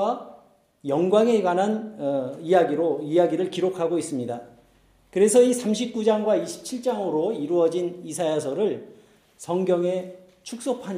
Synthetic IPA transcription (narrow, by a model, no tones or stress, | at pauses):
a | jʌŋɡwaŋe̞ɡwananʌijaɡiɾoijaɡiɾɯɭkiɾokʰaɡois͈ɯmɲida | kɯɾe̞sʰʌisʰamɕ̬ʰip̚k͈ud͡ʑaŋɡwaiɕʰi̥p̚t͡ɕʰiɭt͡ɕ͈aŋoɾoiɾuʌd͡ʑinisʰajas̬ʰʌɾɯɭ | sʰʌŋɡjʌŋe̞ | t͡ɕʰuk̚s͈opʰaɲ